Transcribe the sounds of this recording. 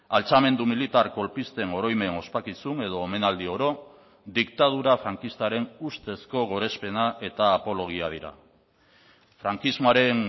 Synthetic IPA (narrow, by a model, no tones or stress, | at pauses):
alt͡same̞nd̪umilit̪aɾko̞lpist̪e̞ŋo̞ɾo̞jme̞no̞spakisune̞ðo̞ːme̞nald̪io̞ɾo̞ | d̪ikt̪að̞uɾafɾaŋkist̪aɾe̞nust̪e̞sko̞ɣ̞o̞ɾe̞spe̞naʔe̞t̪aːpo̞lo̞ɣ̞iað̞iɾa̰ | fɾaŋkizmoaɾe̞n